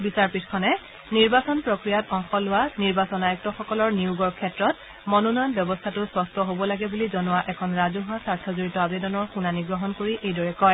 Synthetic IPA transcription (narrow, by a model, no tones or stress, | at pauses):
bisaɹpitʰkʰɔnɛ | niɹbasɔnpɹokɹijatɔŋxɔlʊwaniɹbasɔnajɔk̚tɔxɔkɔlɔɹniuɡɔɹkʰɛtɹɔt | mɔnɔnɔjɔnbjɔbɔstʰatʊspɔstʰɔɦobɔlaɡɛbulizɔnʊwaʔɛkʰɔnɹazuɦasaɹtʰɔzoɹitɔabedɔnɔɹxunaniɡɹɔɦɔnkoɹiʔejdɔɹɛkɔj